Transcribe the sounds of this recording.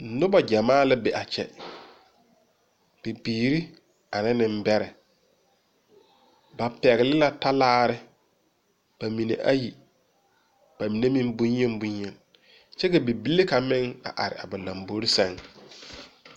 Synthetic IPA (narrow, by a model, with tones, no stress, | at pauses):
nʊ˦ba˨d͡ʒa˨maː˦la˦bɛ˨ʔa˨t͡ʃɛ̰˨ | b̥i˨biː˨ɾi˦ | a˨nɪ˦nɪ˦m̩˦bɛ˦ɾɛ˨ | ba˨pɛ˨ɣɪ˨lɪ˦la˦ta˦laː˦ɾɪ˦ | b̥a˨mi˨nḛ˨ʔa˦ji˨ | b̥a˨mi˨ne˦mĩ˦mbʊ˦ɲ˦ɛ˦m˦bʊ˦ɲjɛ˨n | t͡ʃɛ˦kɛ˨bi˨bi˦le˦ka˨mɪ˦ŋa̰˨ʔa˨ɾɪ̰˨a˨ba˨la˨mbo˦ɾi˦sa˦˨ŋ